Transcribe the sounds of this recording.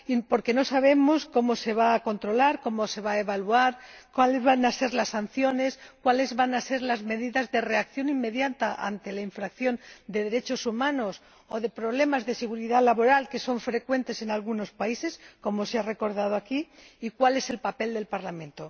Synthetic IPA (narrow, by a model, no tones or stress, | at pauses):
ipo̞ɾke̞no̞saβ̞e̞mosko̞mo̞se̞βaːko̞nt̪ɾo̞laɾko̞mose̞βaeβaluaɾkwalezβanase̞ɾlasːanθjo̞ne̞skwale̞zβanase̞ɾlazme̞ðiðazðe̞re̞akθjo̞nimːe̞ðjant̪aʔa̰nt̪e̞laiɱfɾakθjo̞nd̪e̞ð̞eɾe̞t͡ʃo̞sumãno̞s | oðe̞pɾo̞β̞le̞mazðe̞se̞ɣuɾiðalaβo̞ɾalke̞so̞ɱfɾe̞kwe̞nt̪e̞se̞nalɣuno̞spaise̞sko̞moseare̞ko̞ɾðað̞oaki | ikwale̞se̞lpape̞ld̪e̞lpaɾlamẽ̞nt̪o̞